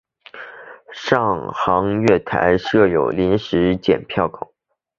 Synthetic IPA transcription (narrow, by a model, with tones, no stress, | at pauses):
ʂɑ˥˩ŋxɑ˧˥ŋɥɛ˥˩t̪ʰa̰˧˥ɪʂɤ˥˩jo˨˩ʊli˧˥nʂɻ̩˧˥t͡ɕjɛ̰˨˩npʰjɑ˥˩ʊkʰʊ̰˨˩˦